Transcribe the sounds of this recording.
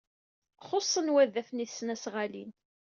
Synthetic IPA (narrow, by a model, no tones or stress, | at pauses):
χosˤːənwæðːæθniθsnæsʁalḭn